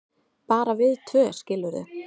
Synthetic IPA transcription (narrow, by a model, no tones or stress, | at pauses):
paːɾavɪðt̪ʰvœːscɪlːʏɾʏ̰